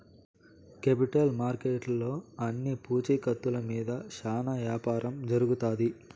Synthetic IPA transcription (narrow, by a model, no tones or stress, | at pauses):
kepiʈɐlmaːɾkeːʈlo̞ːɐnːipuːt͡ʃɐjkɐt̪ːulɐmiːd̪ɐʃaːnɐʋjaːpaːɾʔɐmd͡ʒɐɾuɡut̪aːd̪i